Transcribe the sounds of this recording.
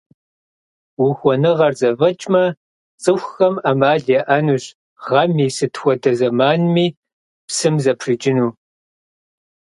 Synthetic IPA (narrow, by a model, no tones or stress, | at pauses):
wʊxʷɔnɨʁɐrzɐvɐt͡ʃʼmɐ | t͡sʼɨxʷxɐmamaːɮjɛʔɐnuːɕ | ʁɐmiːsɨtʰxʷɔdɐzɐmaːnmiː | psɨmzɐpʰrɨd͡ʒʼɪnuː